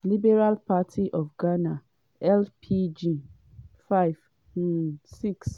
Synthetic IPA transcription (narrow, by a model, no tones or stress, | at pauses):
libɛɾalpʰatʰiʔɔfɡana | ɛlpʰid͡ʒi | faɪv̩ | siks